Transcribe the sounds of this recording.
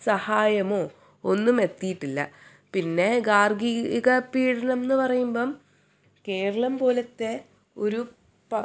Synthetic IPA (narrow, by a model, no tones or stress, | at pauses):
sɐhaːjɐmoː | o̞nːume̞t̪ːijiʈːilːɐ̰ | pinːe̞ɡaːrɡiɣɐpiːɽɐnɐmnːɨpɐrɐjumboːm | ke̞ːɾɐɭɐmpo̞ːlɐt̪ːe̞ | o̞ɾu | pɐ